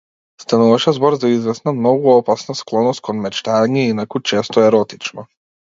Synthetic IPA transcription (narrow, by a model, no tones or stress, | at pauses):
st̪anuvaʃɛzbɔɾzaizvɛsnamnɔɡuɔpasnasklˠɔnɔst̪̚kʰɔnmɛt͡ʃt̪aɲɛinakut͡ʃɛst̪ɔɛɾɔt̪it͡ʃnɔ